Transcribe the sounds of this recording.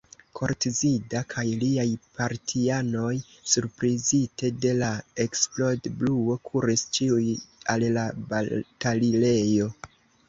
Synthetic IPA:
kʰo̞ɾtizidakʰajliajpʰaɾtʰiano̞jsuɾpɾizite̞de̞lae̞ksplo̞dbluo̞kʰuɾist͡ʃiujallabatalile̞jo̞

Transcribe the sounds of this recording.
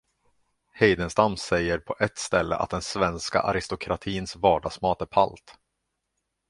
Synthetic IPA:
hɛjd̪ənst̪amsɛjːəɾpʰɔʔɛt̪st̪ɛlːə̰ʔa̰t̪̚d̪ɛnsvɛnska̰ʔaɾɪst̪ʊkʰɾat̪ʰiːnsvɑːɖɑːɡsmɑːt̪æɾpʰa̰lt̪

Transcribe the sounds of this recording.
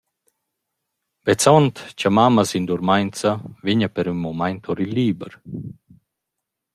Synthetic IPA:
vɛt͡sɔnt̪t͡ɕamamasind̪uɾmajnt͡saviɲapɛɾynmɔmajnt̪ʰɔɾiliːbəɾ

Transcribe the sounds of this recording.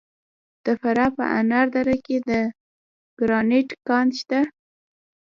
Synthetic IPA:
d̪̥əfaɾapə̰ʔa̰naɾd̪aɾaked̪ə | ɡ̥ɾɑneʈkɑnʃt̪a

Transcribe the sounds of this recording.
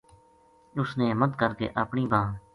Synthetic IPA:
ʊsneːmət̪kəɾkḛːʔaːpɳiːbʱãː

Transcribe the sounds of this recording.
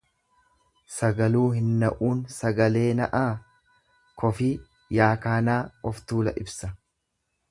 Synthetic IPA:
sɐɡɐluːhɪnːɐʔuːnsɐɡɐle̞ːnɐʔaː | kʰɔfi | jaːkaːnaːɔft̪uːlɐʔɪbsɐ

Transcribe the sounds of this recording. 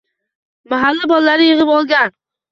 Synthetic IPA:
maɦalːabɒlˠːaɾɪjɨʁɨpɒlˠɡʲan

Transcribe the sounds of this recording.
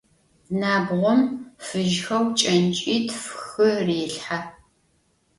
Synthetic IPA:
naːbʁʷɔmfɨʒxɐwt͡ʃʼɐnt͡ʃʼiːtʰfxɨreːɬħa

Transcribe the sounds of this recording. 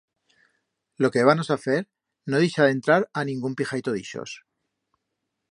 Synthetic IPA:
lo̞ke̞β̞ano̞saθe̞ɾ | noðiʃaðe̞nt̪ɾaɾanĩŋɡumpixajt̪o̞ðḭʃo̰s

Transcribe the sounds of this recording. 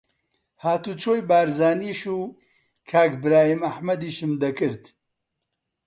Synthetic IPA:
haːt̪uːt͡ʃʰoːjbaːɾzaːniːʃuː | kʰaːkbɾaːhimɐhmɐd̪iːʃɨmd̪ɐkɨɾt̪

